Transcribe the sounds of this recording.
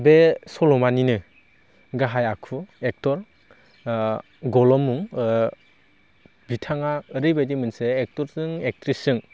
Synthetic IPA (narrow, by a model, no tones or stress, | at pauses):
besɔlɔmaninɯ | ɡaɦajakʰuek̚tɔɾ | ɡɔlɔmuŋ | bitʰaŋaɯɾɯjbadimɯnseːk̚tɔɾsɯŋek̚tɾisɯŋ